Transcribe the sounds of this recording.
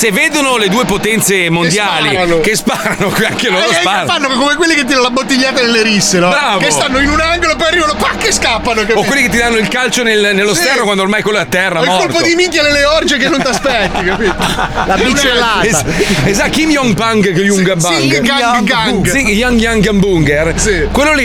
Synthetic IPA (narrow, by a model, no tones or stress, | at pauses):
sevːeːd̪onoled̪uːepot̪ɛnt̪semond̪jaːlinkespaɾanokiaŋkeloːɾospaɾfanːokkːomekwelːiket̪ːiɛnolabot̪ːiʎːaːt̪̬ad̪elːeɾisːenɔbɾavkestt̪anːoinunaŋɡolopɔjarːivanopakːeskapːanokaokwelːiket̪ːid̪anːoilkalt͡ʃonelnelːost̪ɛrnokwand̪ormajkwelːoat̪ːɛrːamkɔoltpɔd̪imikjaleleɔrd͡ʒekenːont̪aspɛt̪ːikapiːt̪olabit͡ʃelːa | ezakimjɔŋpaŋɡkejuŋɡabaŋɡɡasijaŋjaŋɡambuŋɡersikwelːoli